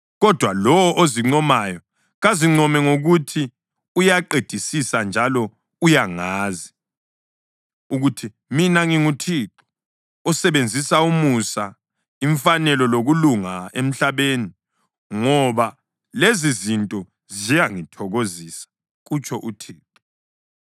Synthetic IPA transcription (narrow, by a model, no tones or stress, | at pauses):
ɣɔd̥ʱwalɔwɔʔoziŋ͡ǀɔmajɔ | ɣaziŋ͡ǀɔmɛŋoɣutʰi | ujaǃed̥ʱisisand͡ʒʱalɔ | ujaŋaːzi | uɣutʰi | minaŋiŋutʰiǁɔ̥ː | sɛβend͡zʱisaumusa | iɱfanɛlɔloɣuluŋaem̩ɬaβeːni | ŋɔβa | lezizintʼɔ | zijaŋitʰɔɣozisḁ | ɣut͡ʃʰʼɔʔutʰiːǁɔ